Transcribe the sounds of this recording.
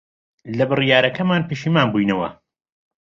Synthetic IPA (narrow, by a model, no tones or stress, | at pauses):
lɐbɨrijaːɾɐkɐmaːnpeʃiːmaːnbujnɐwɐ̰